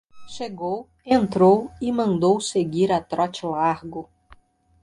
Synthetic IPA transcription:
ʃeɡow | ẽnt̪ɾowimɐ̃nd̪owseɡiɾat̪ɾɔt͡ʃlaɾɡʊ

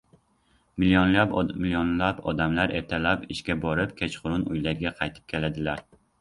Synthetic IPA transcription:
mɪljonlamɪljonlapɒ̰d̪amlaɾeɾt̪ʰalapɪʃkʲɛbɒɾɪp̚kʲʰet͡ʃqʰʊɾʊnujlaɾɡʲɛqʰɑjt̪ʰɪ̥p̚kʲʰelad̪ɪlaɾ

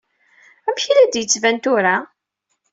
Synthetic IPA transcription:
æmçilæd̪jət͡sːvænt̪ʊɾa

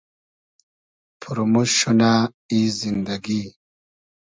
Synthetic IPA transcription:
pʰuɾmuɕuna | izind̪aɡi

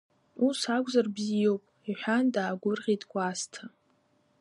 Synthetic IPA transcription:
usakʷʼzarbzijowpʼiħʷᶣandaːɡʷʊrʁʲidɡʷʼastʰa

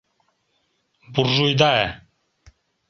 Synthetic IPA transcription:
buɾʒujd̪aɛ

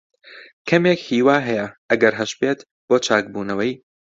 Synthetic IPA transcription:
kʰɐmeːkhiːwaːɦɛjɛʔɐɡɐɾɦɐʃpeːt̪ | b̥oːt͡ʃʰaːk̚buːnɐwɐj

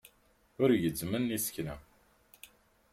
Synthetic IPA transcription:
ʊɾʝəzmənːisə̥knæ̰

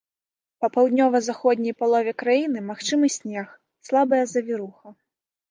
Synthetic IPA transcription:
pɐpawd̪ʲnʲɔvɐzaxɔd̪ʲnʲɐjpalˠɔvʲɛkɾajinɨmaxt͡ʂɨmɨsʲnʲɛx | slˠabɐjɐzɐvʲiɾuxɐ

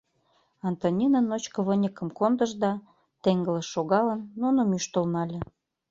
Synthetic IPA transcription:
ɑnt̪onʲinənot͡ɕkɤ̆βənʲəkə̆mkond̪əʒd̪ɑ | t̪eŋɡə̆lə̆ʃːoɣɑlə̆nːunə̆myʃt̪ə̆lnɑlʲĕ

